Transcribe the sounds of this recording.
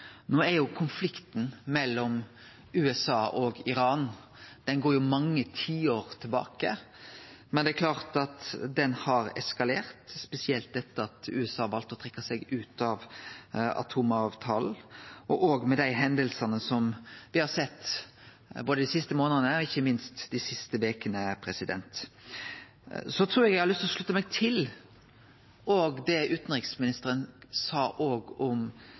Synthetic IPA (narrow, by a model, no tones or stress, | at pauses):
noːæɾjʊkʰʊnflɪkt̪n̩mɛlːɔm | ʉːɛsɑːʔɔɡɪɾɑːn | d̪̥ɛnɡoːɾjʊmɑŋːət̪ʰiːoːɾt̪ʰɪlbɑ̰ːkə̰ | mɛnd̪ɛækʰlɑːʁt̪ɑt̪d̪ɛnhɑɾɛ̰skɑleːɾt̪spɛsɪɛlt̪̚d̪ɛt̪ːəɑt̪ʉ̰ɛsɑːʋɑlt̪ɔt̪ʰʁɛkːɑsɛɡʉːt̪ɑʋ | ɑ̰t̪ʰuːmɑːʋt̪ʰɑːln̩ʔɔʔoːɡmɛd̪æɪɦɛnd̪əlsɑnəsɔmʋɪhɑsɛt̪ː | boːd̪əd̪ɪsɪst̪əmoːnənəɔɪçːəmɪnst̪d̪ɪsɪst̪əʋeːkənəæpʰɾɛsɪd̪ɛ̰nt̪ | sɔt̪ʰɾuːɾɛɡjæɡhɑɾlʏst̪lɔʂlʉt̪ːəmɛɡ̚t̪ʰɪl | oːɡd̪ɛʔʉːt̪n̩ʁɪksmɪnɪst̪əɾənsɑːʔoːɡɔm